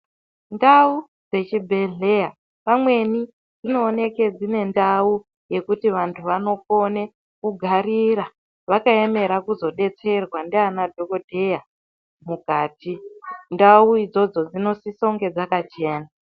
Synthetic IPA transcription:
ndau | d͡ze̞t͡ʃibʱe̞ɮe̞ja | pamwe̞ni | d͡zino̞ːne̞ke̞d͡zine̞ndau | je̞kutiʋantʰuʋano̞po̞ne̞ | kuɡʱaɾiɾa | ʋakae̞me̞ɾakuzo̞ɗe̞t͡se̞rwandeanadʱo̞ko̞dʱe̞ja | mukaːtʰindauid͡zo̞d͡zo̞d͡zino̞siso̞ŋɡe̞d͡zakat͡ʃe̞ːna

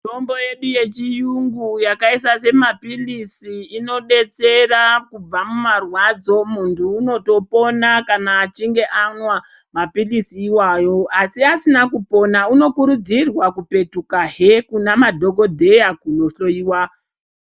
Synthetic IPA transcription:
tombo̞je̞ɗuje̞t͡ʃijuŋɡujakaisase̞mapilisiːno̞ɗe̞t͡se̞rakub͡vamumarwad͡zo̞muntʰuːno̞to̞po̞nakanaːt͡ʃiŋɡe̞ʔanwa | mapilisiːwajo̞asiasinakupo̞nauno̞kuɾud͡zirwakupe̞tukaɦekunamadʱo̞ɡo̞dʱe̞jakuno̞ɬo̞iːwa

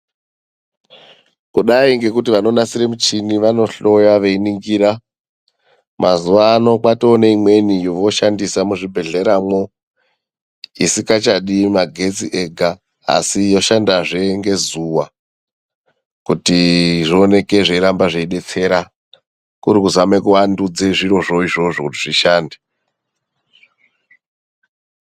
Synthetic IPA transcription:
kuɗaiŋɡe̞kutiʋano̞nasiremut͡ʃiniʋano̞ɬo̞jaʋe̞iniŋɡiɾa | mʔazuʋaːno̞kwatoːneimwe̞nijoʋo̞ʃandisamuʐibʱe̞ɮe̞ɾamwo̞ | isikat͡ʃaɗimaɡʱe̞t͡siʔeɡʱa | a̰sijo̞ʃandaʐe̞ŋɡe̞zuwa | kutiʐione̞ke̞ʐeiɾambaʐeiɗe̞t͡se̞ɾa | kuɾikuzwame̞kuʋandud͡zeʐiro̞ʐo̞iʐo̞ʐokutiʐiʃaːnde

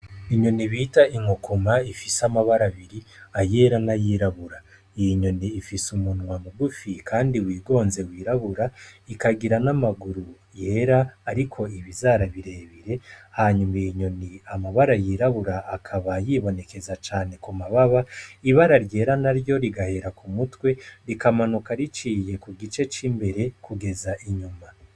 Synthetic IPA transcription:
iɲo̞niβitaiŋokomaifisamaβaɾaβiɾiaje̞ːɾanajiːɾaβuɾa | ɲo̞niːfisumunwamuɡufikʰaːndiwiːɡo̞ːnze̞wiːɾaβuɾaikaɡiɾanamaɡuɾu | je̞ɾaːɾikʰo̞iβizaɾaβiɾe̞ːβiɾe̞haɲumajiɲo̞niamaβaɾajiɾaβuɾaːkʰaβajiːβo̞ne̞ke̞zat͡ʃaːne̞kumaβaβaiβaɾaɾje̞ːɾanaɾjo̞ɾiɡahe̞ɾakumutwe̞ɾikamanukaɾit͡ʃije̞kuɡit͡ʃe̞t͡ʃimbe̞ɾe̞kʰuɡe̞zaʔiɲuma

